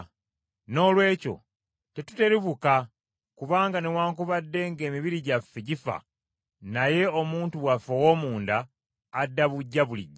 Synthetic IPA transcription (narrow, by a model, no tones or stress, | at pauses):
no̞ːlwe̞ːco̞̰ | tetu̥te̞ɾiβuka | kuβaːŋɡanewaːŋkuβadːe̞ŋɡe̞ːmiβiɾiɟafːeɟifa̰ | naje̞o̞muːntuβwafowo̞ːmuːndaː | dːaβuɟːaβuliɟːa